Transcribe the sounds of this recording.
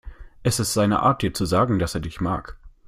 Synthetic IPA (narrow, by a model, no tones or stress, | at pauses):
ʔɛstɛstz̥aɪnə̰ʔa̰ːɐt̚d̥iːɐt͡suzaːɡŋ̩d̥aseːɐdɪçma̰ːk